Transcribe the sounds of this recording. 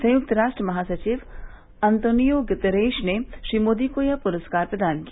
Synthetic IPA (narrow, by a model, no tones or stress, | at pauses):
sɐ̃jʊk̚t̪ɾaːʂʈɾəmɐɦaːsɐt͡ʃiʋ | ɐnt̪oːnijoɡɪt̪əɾeːʃneʃɾiːmoːd̪ikoːjɐpuɾəskaːɾpɾɐd̪aːnkia